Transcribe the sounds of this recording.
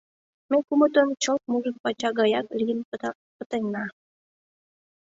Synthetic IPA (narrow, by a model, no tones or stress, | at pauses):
mekumət̪ənt͡ɕəlt̪̚muʒək̚pɑt͡ɕɑɣɑjɑklʲijənp̪ | pət̪ənɑ